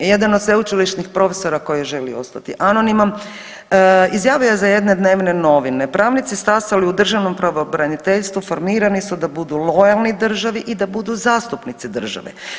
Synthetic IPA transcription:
je̞d̪anod̪sʋeut͡ʃiliʃnixpɾo̞feso̞ɾako̞jeʒe̞lḭo̞̰st̪at̪iʔano̞nimam | izjaːʋujezaje̞d̪ne̞d̪ne̞ːʋne̞no̞ʋine̞pɾaːʋnit̪sist̪aːsaliud̪r̩ʒaʋno̞mpɾoʋobɾanit̪eʎst̪ʋufo̞ɾmiːɾanisud̪abud̪ulo̞jalˠnid̪r̩ʒaʋiʔid̪abud̪uzaːst̪upnit̪sid̪r̩ʒa̰ʋḛ

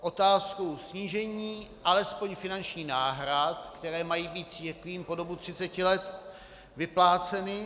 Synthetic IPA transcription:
ʔo̞t̪aːskusɲiːʒɛɲiːʔalɛspo̞ɲfɪnant͡ʃɲiːnaːɦɾat̪kt̪ɛɾɛːmajiːbiːt̪̚t͡siːɾkviːmpo̞do̞but̪r̝̥ɪt͡sɛcɪlɛt̪ | vɪplaːt͡sɛnɪ

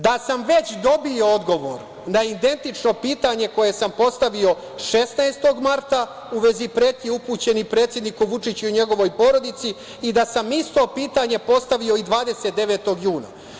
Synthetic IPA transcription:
d̪asamʋe̞t͡ɕd̪o̞bio̞od̪ɡo̞ʋoɾ | naid̪e̞nt̪it͡ʂno̞piːt̪aɲe̞ko̞je̞sampo̞st̪aʋio̞ | ʃe̞snaest̪o̞ɡmaɾt̪a | uʋe̞zipɾeːt̪iupuːt͡ɕe̞nipɾe̞ːt̪sje̞d̪nikuʋut͡ʂit͡ɕuuɲe̞ɡo̞ʋo̞jpo̞ɾo̞d̪it̪siː | d̪asamist̪o̞piːt̪aɲe̞po̞st̪aʋio̞id̪ʋaːd̪e̞se̞t̪̚d̪e̞ʋe̞t̪o̞ɡjuːna̰

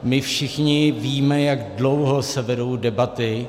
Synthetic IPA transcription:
mɪfʃɪxɲɪviːmɛjaɡdlowɦo̞sɛvɛdo̞wdɛbat̪ɪ

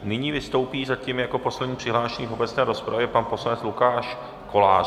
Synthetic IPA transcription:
nɪɲiːvɪst̪o̞wpiːzacimjako̞po̞slɛdɲiːpr̥ɪɦlaːʃɛɲiːfo̞bɛt͡snɛːɾo̞spɾʔavjɛpanpo̞slanɛt͡slukaːʃ | ko̞laː

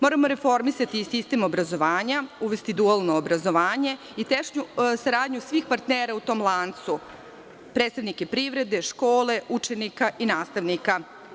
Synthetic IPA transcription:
mo̞ːɾamo̞ɾe̞fo̞ɾmisat̪isist̪e̞mobɾazo̞ʋaːɲauʋest̪id̪ualˠnoːbɾazo̞ʋaːɲe̞ | it̪eʃɲusaɾaːd̪ɲusʋixpaɾt̪neːɾaut̪o̞ːmlˠant̪su | pɾed̪st̪aʋnike̞pɾiʋɾe̞d̪e̞ʃko̞ːle̞ʔut͡ʃe̞nikaʔinaːst̪aʋnika

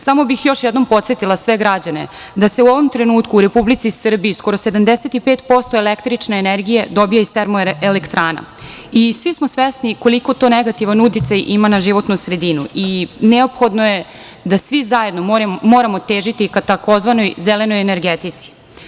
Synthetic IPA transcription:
samo̞bixjo̞ʃjed̪no̞mpo̞t̪set̪ilˠasʋe̞ɡɾad͡ʑane̞̰ | d̪ase̞uoʋo̞mt̪ɾenuːt̪kuːɾe̞publit̪sisr̩biisko̞ɾo̞se̞d̪amd̪eset̪ipeːt̪po̞st̪oelekt̪ɾit͡ʃneːneɾɡijed̪o̞bijeist̪eɾmoelekt̪ɾaːna̰ | isʋismo̞sʋesniko̞liko̞t̪o̞neɡat̪iʋanut̪it̪sajʔimanaʒiʋo̞t̪nusɾe̞d̪inuineopxo̞d̪noje̞ | d̪asʋizaje̞d̪noɾmoːɾamo̞t̪eːʒit̪ikat̪ako̞zʋano̞jzele̞no̞jeneɾɡet̪it̪si̥

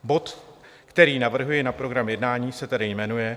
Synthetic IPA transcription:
bo̞t̪ | kt̪ɛɾiːnavr̩ɦujɛnapɾo̞ɡɾamjɛdnaːɲiːsɛt̪adɪjmɛnujɛ

